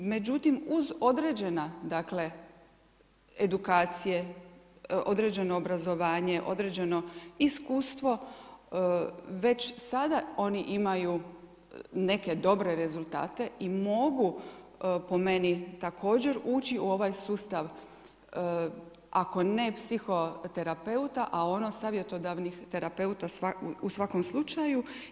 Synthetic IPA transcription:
me̞d͡ʑut̪imuzo̞d̪ɾed͡ʑe̞nad̪akle̞ | ed̪ukaːt̪sije̞ | o̞d̪ɾe̞d͡ʑe̞no̞ːbɾazo̞ʋaːɲe̞ʔo̞̰d̪ɾed͡ʑe̞no̞iskuːst̪ʋo̞ | ʋe̞t͡ɕsad̪ao̞niʔimaju | ne̞ke̞d̪o̞bɾe̞ɾe̞zulˠt̪a̰ːt̪e̞imo̞ɡu | po̞me̞nit̪akʰo̞ːd͡ʑe̞ɾuːt͡ɕiuo̞ʋajsuːst̪aʋ | ʔako̞ne̞psixo̞t̪e̞ɾape̞ut̪aʔao̞nosaːʋje̞t̪o̞d̪aʋnixt̪e̞ɾape̞ut̪asausʋako̞mslˠut͡ʃaju

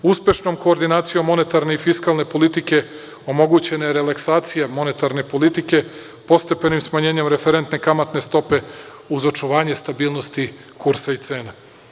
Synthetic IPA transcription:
uspje̞ʃnomko̞ːɾd̪inaːt̪sijo̞mːo̞ne̞t̪aɾne̞ifiskalˠnepo̞lit̪ike̞ | o̞mo̞ɡut͡ɕe̞najeɾe̞lˠaksaːt̪sijamo̞ne̞t̪aɾne̞po̞lit̪ike̞ | po̞st̪e̞pe̞nimsmaɲe̞ːɲe̞mɾe̞feɾe̞nt̪nekamat̪ne̞st̪o̞pe̞ | uzot͡ʃuʋaːɲe̞st̪abiːlˠno̞st̪i | kuɾsait̪se̞ːna

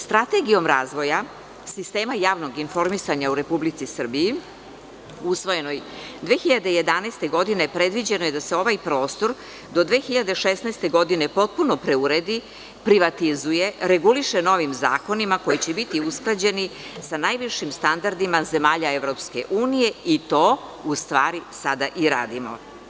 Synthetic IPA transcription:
st̪ɾat̪eɡijo̞mɾaːzʋo̞ja | sist̪e̞ːmajaːʋno̞ɡinfo̞ɾmisaɲauɾe̞publit̪sisr̩biji | usʋo̞je̞no̞jd̪ʋeːxiʎad̪e̞je̞d̪anaːst̪e̞ɡo̞d̪inepɾe̞d̪ʋid͡ʑe̞noje̞d̪ase̞o̞ʋajpɾo̞ːst̪o̞ɾ | d̪o̞d̪ʋeːxiʎad̪e̞ʃesnaːst̪e̞ɡo̞d̪ine̞po̞t̪̚puno̞pɾe̞uɾe̞d̪i | pɾiʋat̪izuje̞ɾe̞ɡuliʃeno̞ʋimza̰ːko̞nimako̞jit͡ɕebit̪iusklˠad͡ʑe̞nisanajʋiʃimst̪and̪aɾd̪imaze̞maːʎae̞ʋɾo̞pske̞̰ʔuːnije̞it̪o̞ust̪ʋaːɾisad̪aʔiɾa̰ːd̪imo̰

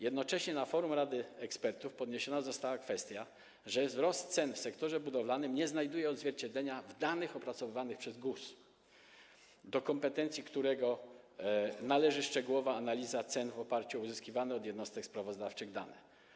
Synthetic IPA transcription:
jɛd̪nɔt͡ʂɛɕɲɛnafɔɾumɾad̪ɘɛkspɛɾt̪ufpɔd̪ɲeɕɔnazɔst̪awakfɛst̪ʲja | ʐɛvzɾɔst̪sɛnfsɛkt̪ɔʐɛbud̪ɔvlanɘmɲɛznajd̪ujɛɔd̪zvʲjɛɾt͡ɕed̪lɛɲavd̪anɘxɔpɾat̪sɔvɘvanɘxpʂɛzɡus | d̪ɔkɔmpɛt̪ɛnt̪sʲikt̪uɾɛɡɔ | nalɛʐɘʂt͡ʂɛɡuwɔvaːnalʲizat̪sɛnvɔpaɾt͡ɕuɔuzɘskʲivanɛɔd̪jɛd̪nɔst̪ɛkspɾavɔzd̪aft͡ʂɘɣd̪a̰nɛ̰

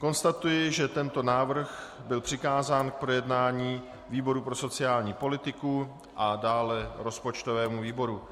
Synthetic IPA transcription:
ko̞nst̪at̪ujɪʒɛt̪ɛnt̪o̞naːvr̩ɣbɪlpr̝̥ɪkaːzaːnk̚pɾo̞jɛdnaːɲiː | viːbo̞ɾupɾo̞so̞t͡sɪaːlɲiːpo̞lɪt̪ɪku | ʔadaːlɛɾo̞spo̞t͡ʃt̪ovɛːmuviːbo̞ɾu

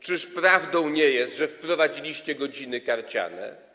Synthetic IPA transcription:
t͡ʂɘʂpɾavd̪ɔ̃w̃ɲɛjɛst̪ʐɛfpɾɔvad͡ʑilʲiɕt͡ɕɛɡɔd͡ʑin̪ɘkaɾt͡ɕa̰nɛ̰

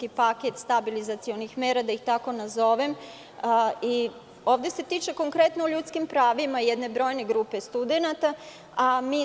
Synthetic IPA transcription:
kipaket̪st̪abilizat̪sio̞nixmeːɾad̪aixt̪ako̞nazo̞ʋem | i | o̞ːʋd̪je̞se̞t̪iːt͡ʃeko̞ŋkɾe̞t̪nooʎut̪skimpɾaːʋimajed̪ne̞bɾo̞jne̞ɡɾuːpe̞st̪ud̪e̞nat̪a | amiː

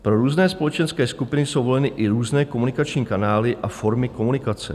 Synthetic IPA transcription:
pɾo̞ɾuːznɛːspo̞lɛt͡ʃɛnskɛːskupɪnɪso̞wvo̞lɛnɪʔɪɾuːznɛːko̞munɪkat͡ʃɲiːkanaːlɪʔafo̞ɾmɪko̞munɪkat͡sɛ̰

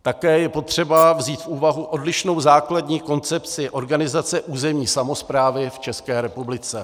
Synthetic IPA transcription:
t̪akɛːjɛpo̞t̪r̝̥ɛbavziːt̪fʔuːvaɦuʔo̞dlɪʃno̞wzaːkladɲiːko̞nt͡sɛpt͡sɪʔo̞ɾɡanɪzat͡sɛʔuːzɛmɲiːsamo̞spɾaːvɪft͡ʃɛskɛːɾɛpublɪt͡sɛ

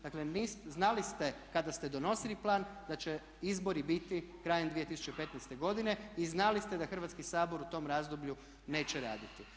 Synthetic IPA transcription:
d̪aklenisznalist̪ekad̪ast̪e̞d̪o̞no̞siliplˠaːnd̪at͡ɕe | izbo̞ɾibit̪ikɾaːjemd̪ʋie̞t̪isu̥t͡ʃepe̞t̪nɛst̪e̞ɡo̞d̪ine̞iznalist̪ed̪axr̩ʋaːt̪skisaːbo̞ɾut̪o̞ːmɾaːzd̪obʎu | ne̞ːt͡ɕeɾaːd̪it̪i

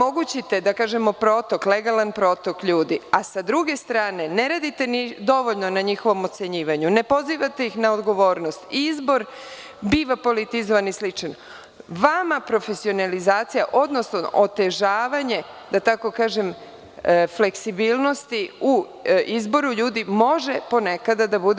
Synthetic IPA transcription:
mo̞ɡut͡ɕit̪e̞d̪akaːʒe̞mo̞pɾo̞t̪o̞kle̞ɡalanpɾo̞t̪o̞kʎuːd̪iasad̪ɾuɡe̞st̪ɾaːne̞ne̞ɾaːd̪it̪e̞nid̪o̞ʋo̞ʎno̞naɲixo̞ʋo̞mo̞t̪se̞ɲiːʋaɲunepo̞ziːʋat̪e̞ixnaod̪ɡo̞ʋo̞ːɾnost̪izbo̞ɾ | biːʋapo̞lit̪izoʋanislit͡ʂn | ʋamapɾo̞fe̞sio̞nalizaːt̪sija̰ʔo̞d̪no̞snoʔot̪e̞ʒaːʋaɲe̞d̪̥at̪ako̞kaːʒe̞m | fle̞ksibiːlˠno̞st̪iu | izbo̞ɾuʎuːd̪imo̞ʒe̞po̞nekad̪ad̪abud̪e

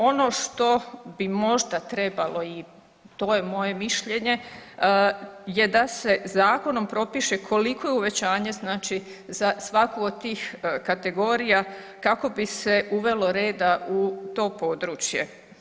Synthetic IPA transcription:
o̞no̞ʃt̪o̞bimo̞ʒd̪at̪ɾe̞balo̞i | t̪o̞je̞mo̞je̞miʃʎe̞ɲe̞ | je̞d̪ase̞zaːko̞no̞mpɾo̞piʃe̞kʰo̞liko̞jeuʋe̞t͡ɕaːɲe̞znaːt͡ʃi | zasʋakoːd̪̚t̪ːiːxkat̪e̞ɡo̞ːɾija | kako̞bise̞uʋe̞lo̞ɾeːd̪aut̪o̞ːpo̞d̪ɾuːt͡ʃje̞

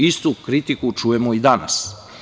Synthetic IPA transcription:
ist̪ukɾit̪ikut͡ʃujemoid̪ana̰s

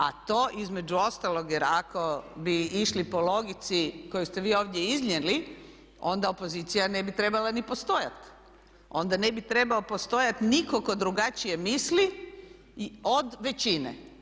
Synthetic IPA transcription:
a̰t̪o̞ːʔizme̞d͡ʒuo̞st̪alˠo̞ɡjɛɾakobiiʃlipo̞lo̞ɡit̪siko̞just̪e̞ʋiːo̞ːʋd̪je̞izɲeli | o̞nd̪aopozit̪sijane̞bit̪ɾe̞balanipo̞st̪o̞ja̰t̪ | o̞nd̪ane̞bit̪ɾe̞baopo̞st̪o̞jat̪nikoko̞d̪ɾuɡat͡ʃije̞misli | o̞d̪ʋe̞t͡ɕinḛ

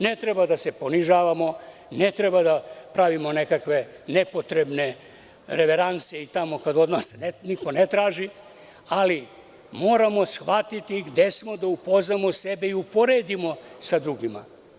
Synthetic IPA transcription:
ne̞t̪ɾe̞bad̪ase̞po̞niʒaːʋamo̞ | ne̞t̪ɾebad̪apɾaʋimo̞ne̞kakʋe̞ | nepo̞t̪ɾe̞bne̞ | ɾe̞ʋe̞ɾant̪sieit̪amo̞kad̪o̞d̪nasnniko̞net̪ɾaːʒi | ali | mo̞ːɾamo̞sxʋat̪it̪iɡd̪e̞smo̞d̪aupoznamo̞se̞be̞iupoɾe̞ːd̪imo̞sad̪ɾuɡima̰

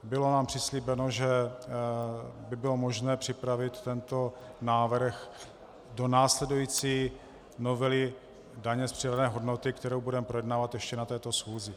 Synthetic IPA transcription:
bɪlo̞naːmpr̥ɪsliːbɛnoʒɛ | bɪbɪlo̞mo̞ʒnɛːpr̥ɪpɾavɪt̪ːɛnt̪o̞ | naːvr̩x | do̞naːslɛdujiːt͡siː | no̞vɛlɪ | daɲɛspr̥ɪɾadnɛːɦo̞dnot̪ɪkt̪ɛɾowbudɛmɛpɾo̞jɛdnaːvat̪jɛʃcɛnat̪ɛːt̪o̞sxuːzɪ

